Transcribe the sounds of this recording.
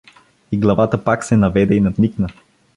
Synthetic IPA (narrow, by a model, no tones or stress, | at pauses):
iɡlˠɐvat̪əpaksɛnɐvɛd̪ɛinɐd̪niknə